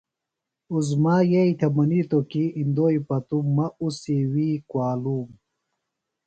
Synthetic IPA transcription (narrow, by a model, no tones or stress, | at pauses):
uzmaːjeit̪ʰɐmɐniːt̪okiind̪oːipɐt̪umːɐusiwiːkwaːluːm